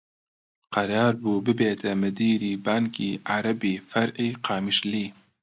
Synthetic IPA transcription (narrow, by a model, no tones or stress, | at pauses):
qɑɾɑːɾbuːbɨbeːt̪ʰɛmɨd̪iːɾiːbɑːŋkiːʔaɾɐbiːfɐɾʔiːqɑːmiʃliː